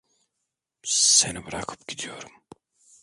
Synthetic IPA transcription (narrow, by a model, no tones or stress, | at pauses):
senibɯɾakʰɯ̥pɟ̥ʲid̪ijo̞ɾum